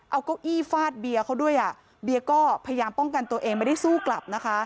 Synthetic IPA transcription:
ʔa˧wkɔː˥˩wʔiː˥˩faː˥˩t̪̚bi˧ɐkʰa˦˥wdu˥˩əjʔa˨˩ | bi˧ɐkɔː˥˩pʰa˧ja˧jaː˧mpɔ˥˩ŋka˧nt̪u˧ɐʔeː˧ŋma˧˩da˥˩jsuː˥˩kla˨˩p̚na˦˥kʰa˦˥

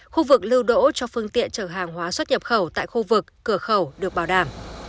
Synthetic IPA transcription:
xu˧vɨ˨˩k̚lɨ˧wɗo̰˧˥t͡ɕɔ˧fɨ˧əŋt̪ḭ˧˨ənt͡ɕəː˧˩ɦaː˨˩ŋɦwaː˨˦swə˦˥t̚ɲə˨˩p̚xə˧˩wt̪a̰ː˧˨jxu˧vɨ˨˩kːɨ˧˩əxə˧˩wɗɨ˨˩ək̚ɓaː˧˩wɗaː˧˩m

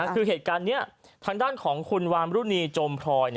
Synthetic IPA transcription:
kʰɯː˧ɦeː˨˩t̪̚kaː˧nːi˦˥ɐt̪ʰaː˧ŋdaː˥˩nkʰɔː˩˦ŋkʰu˧nwaː˧mɾuː˦˥˩niː˧t͡ɕoː˧mpʰɾɔː˧jn˥

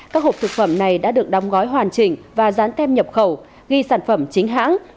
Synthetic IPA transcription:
kaː˦˥k̚ho˨˩p̚t̪ɨ˨˩k̚fə˧˩mna˨˩jɗa̰ː˧˥ɨ˨˩ək̚ɗa˨˦wŋ͡mɣɔ˨˦jɦwaː˨˩nt͡ɕï˨˩ŋ̟vaː˨˩zaː˨˦nt̪ɛ˧mɲə˨˩p̚xə˧˩w | ɣi˧saː˧˩nfə˧˩mt͡ɕï˨˦ŋ̟ɦa̰ː˧˥ŋ

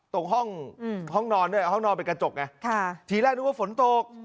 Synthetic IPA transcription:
t̪o˨˩kɦɔ˥˩ŋ˧˩ɦɔ˥˩ŋnɔː˧nːɯ˥˩əhɦɔ˥˩ŋnɔː˧npa˧˨nkɾa˧t͡ɕo˨˩k̚ŋa˧˥kʰa˧˩t̪ʰiː˨˦lɛː˥˩knː˦˥˩waː˥˩fo˩˦nt̪o˧˩k̚

